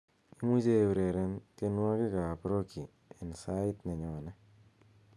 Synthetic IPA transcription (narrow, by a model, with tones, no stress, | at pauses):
i˦mu˦d͡ʒe˦˨bɾe˨ɾe˦nke˦nwa˦kɪ˦ka˨pɾo˦kʰi˨ | e˨nsa˦ɪ˦t̪ne˨ɲɔ˨nɛ˦